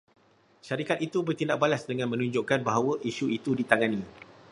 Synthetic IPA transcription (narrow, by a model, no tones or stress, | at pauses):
ʃaɾikat̪̚it̪ubərt̪indaʔ̚balasdəŋãnmə̃nũɲd͡ʒoʔkanbaɦawəʔiʃuit̪udit̪aŋani